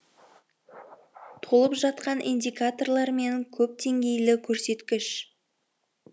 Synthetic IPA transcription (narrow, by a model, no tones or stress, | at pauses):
t̪ʰo̞lˠəpʒɑt̪̚qɑnʔḭnd̪ʲijkat̪o̞rlˠɑɾme̞ŋkʲʰɵp̚d̪e̞ŋɡʲe̞jlɪkʲʰɵɾse̞t̪kʲɪʃ